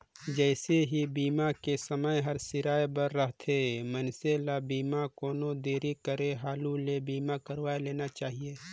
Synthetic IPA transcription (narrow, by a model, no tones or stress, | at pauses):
d͡ʒɛːseɦibiːmakesəməjɦɐɾsɪɾaːjbɐɾːɐɦt̪ʰemɐnselabiːmakɔːnõd̪eːɾikəɾeɦaːlulebiːmakɐɾʋaːeleːnat͡ʃaːɦieː